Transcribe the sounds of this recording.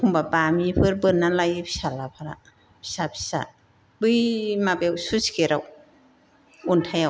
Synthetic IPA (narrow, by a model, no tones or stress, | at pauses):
kʰumbabamipʰɯɾbɯnːalajpʰi̥salapʰaɾa̰ | bʰi̥sapʰi̥sa̰ | bɯjmabewsuskeɾaw | untʰajaw